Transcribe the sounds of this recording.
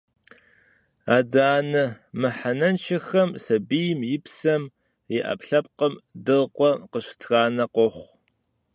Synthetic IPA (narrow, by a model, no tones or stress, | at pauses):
aːdaːnɐmɨħanɐnt͡ʃʰɐxɐmsɐbijmjɪpsɐm | iʔɐ̰pɬɐp̚qəmdɨlqʷɔqəɕtʰɣaːnɐqʷɔχʷ